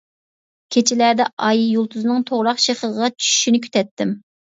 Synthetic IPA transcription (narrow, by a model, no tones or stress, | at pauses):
kʲʰet͡ʃʰilæd̪ɛʔɑjjulˠt̪ʰuznɨŋt̪ʰoʁɾɑχʃeχəʁʁɑt͡ʃʰy̥ʃy̥ʃinɪkʲʰy̥t̪ʰɛt̪ʰːɪm